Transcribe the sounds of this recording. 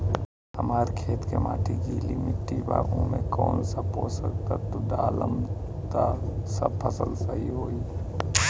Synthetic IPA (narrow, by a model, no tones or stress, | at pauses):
əmaːɾkʰeːt̪kemaːʈʰiɡʱiːlimɪʈːiba̰ːɣõmẽkɔːnsapoːsək̚t̪at̪oɖaːləm | t̪asɐ̰bpʰəsəlsəɦiɦoːi